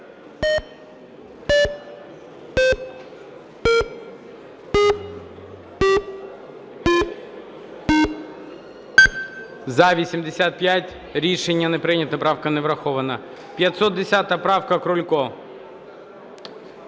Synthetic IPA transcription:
zɐʋʲisʲimd̪esʲat̪̚pʲjatʲ | ɾʲiʃenʲːɐnɛpɾɪnʲɐt̪nɐpɾɑwkɐnɛʋɾɐxɔʋɐnɐ | pʲjɐt̪sɔt̪̚d̪esʲat̪ɐpɾɑwkɐkɾʊlʲkɔ

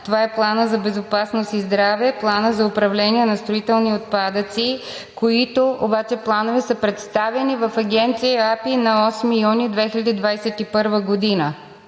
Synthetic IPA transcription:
t̪ovaɛplˠanəzɐbɛzopasnost̪izd̪ɾavɛplˠanəzɐʊpɾɐvlɛniɛnɐst̪ɾoit̪ɛlˠniot̪̚pad̪ət̪si | koit̪oʔobat͡ʃɛplˠanovɛsəpɾɛt̪st̪avɛnivɐfɐɡʲɛnt̪siapinɐɔsmijunid̪vɛxilʲɐd̪id̪vajsɛt̪ipɤɾvəɡod̪inə

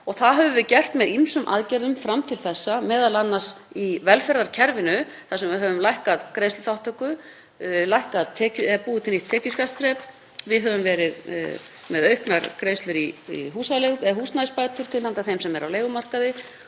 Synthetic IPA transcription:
ɔɣθaðɦœvʏvɪðcɛr̥t̪mɛðimsʏmʔa̰ðcɛɾðʏmfɾamt̪ʰɪlθɛsːamɛːðalanːasivɛlfɛɾðaɾ̥cʰɛɾvɪnʏθasɛmvɪɦœvʏmlajhkaðkɾejslʏθawht̪ʰœkʏ | lajhkaðt̪ʰɛːcʏɛpuːðʏt̪ʰɪliht̪ʰːɛːcʏskast̪ɾɛːp | vɪðɦœvʏmvɛːɾɪð̰ | mɛðœɥhknaɾkɾeːjst̪lʏɾiḭɦuːsalɛɣʏɛɦuːsnaɪspaːjt̪ʏɾ̥t̪ʰɪlhant̪aθejmsɛmɛɾa̰wleːjɣʏmar̥kaðɪ

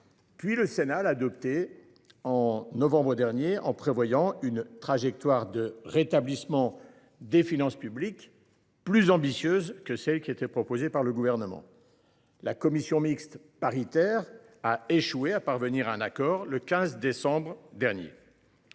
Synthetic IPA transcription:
pɥiləsenalaːd̪ɔp̚t̪e | ɑ̃nɔvɑ̃bʁəd̪ɛʁnjeɑ̰̃pχevwajɑ̃ynt̪χaʒɛk̚t̪waʁd̪əʁet̪ablismɑ̃ | d̪efinɑ̃spyblik | plyzɑ̃bisjøzkəsɛlkʲiet̪ɛpχɔpozepaʁləɡuvɛʁnəmɑ̰̃ | lakɔmisjɔ̃mikst̪ | paʁit̪ɛʁaeʃweapaʁvəniʁɛ̃nakɔʁləkʲɛ̃zd̪esɑ̃bʁd̪ɛʁnjḛ

